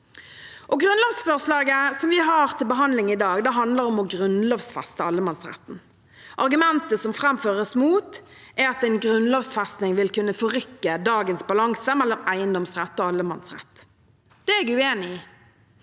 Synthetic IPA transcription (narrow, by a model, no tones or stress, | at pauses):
ʔɔɡʁʉnloːʋsfɔʁslɑːɡəsɔmʋɪɦɑːʁt̪ʰɪlbəɦɑnd̪lɪŋɪd̪ɑːɡd̪ɛːɦɑnd̪ləʁɔmɔɡʁʉnloːʋsfɛst̪əɑlːəmɑnsʁɛ̰t̪n̩ | ʔɑʁɡʉmɛnt̪əsɔmfʁɛmføːʁəsmuːt̪ | æɑt̪æɪnɡʁʉnloːʋsfɛst̪nɪŋʋɪlkʉnːəfɔʁʏkːəd̪ɑːɡənsbɑlɑŋsəmɛlːɔmæɪənd̪ɔmsʁɛt̪ːoːɑlːəmɑ̰nsʁɛ̰t̪ː | d̪̥ɛɛɡʉeːnɪiː